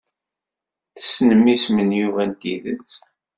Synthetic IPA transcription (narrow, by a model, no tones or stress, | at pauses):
θə̥snəmːismənjuvænt̪iðət͡s